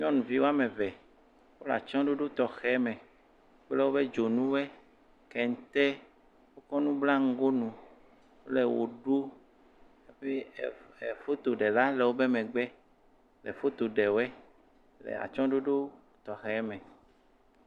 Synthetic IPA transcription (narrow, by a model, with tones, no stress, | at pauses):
ɲɔ̃˦nũ˨vi˦wo˦a˦mẽ˨vɛ˨ | wo˦la̰˨t͡ʃɔ̃˦ɖo˦ɖo˦t̪ɔ˨xɛ˨˦mɛ̃˨˦ | k͡ple˦wo˦be˦d͡ʒo˨nũ˦wɛ˦ | kɛ˨ŋ̩˨t̪ɛ˦ | wo˦kɔ˦nũ˦bla˦ŋ̩˦ɡo˦nũ˨ | wo˦le˨wo̰˨ɖo˦ | e˦ɸe˦e˨fo˦t̪o˨ɖɛ˨la˦le˨wo˦be˦mɛ̃˨ɡ͡bɛ˦ | lɛ˨fo˦t̪o˨ɖɛ˨wo˦ɛ˦ | lḛ˨a̰˨t͡ʃɔ̃˦ɖo˦ɖo˦ | t̪ɔ˨xɛ˨˦mɛ̃˨